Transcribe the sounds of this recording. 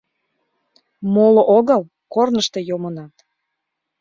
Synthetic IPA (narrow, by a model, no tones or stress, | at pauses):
moloʔoɣəl | kornəʃt̪e̽jomənɑt̪